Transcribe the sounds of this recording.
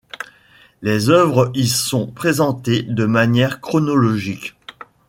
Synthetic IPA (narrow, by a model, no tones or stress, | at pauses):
lezœvʁəisɔ̃pχezɑ̃t̪ed̪əmanjɛʁkχɔnɔlɔʒik